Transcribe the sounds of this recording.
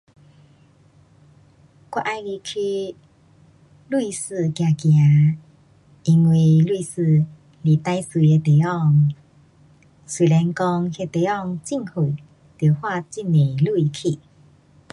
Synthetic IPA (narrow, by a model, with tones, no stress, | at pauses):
kwa˧ʔa˧jɡi˧˩kʰi˧ | lu˧i˧sɨ˥˧˨kja˨˧˩kja˨˧˦ | i˧ŋwi˨lu˥˧sɨ˧ | li˨t̪a˧jsu˧˨e˧t̪e˨˩ɔ˥˧ŋ | si˨˩lɛ˧nkɔ˧ŋhe˧t̪e˨˦ɔ˥˧˨ŋt͡ɕi˥˧ŋhu˨˩ | t̪je˨˩hwa˥˧t͡ɕi˥˧˨ne˨˩lu˥˧i˧˩kʰi˧˨